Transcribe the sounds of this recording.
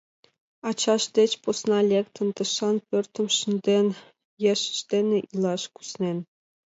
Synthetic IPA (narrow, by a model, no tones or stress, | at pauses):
ɑt͡ɕɑʂd̪ʲet͡ɕposnɑlʲekt̪ɤ̆nt̪ɤ̆ʃɑnpʲørʲt̪ɤ̆mʃinʲd̪ʲenʲ | jeʃʃt̪ʲenʲĕʔilˠɑʃku̥snʲenʲ